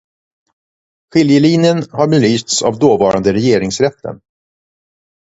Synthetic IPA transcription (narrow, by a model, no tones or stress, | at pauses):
ɧɪljəliːnɪənhaɾbɛlyːst̪sa̰vd̪oːvɑːɾʔa̰nd̪əɾɛjeːɾɪŋsɾɛt̪ʰːə̰n